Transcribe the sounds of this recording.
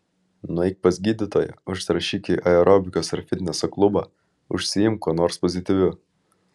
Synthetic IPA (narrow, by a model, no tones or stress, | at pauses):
nʊɛɪk̚pɐsʲɡʲiːd̪ʲɪt̪oːjɛ̰ʊʃsʲɾɐʃʲiːkʲiʔɐɛɾʔɔbʲɪkʲoːsɐɾfʲɪt̪ʲnʲɛsɐklˠʊbɐ̰ː | ʊ̰ʃʲsʲɪjɪmkoːnoːɾspɔzʲɪt̪ʲɪʋʲʊ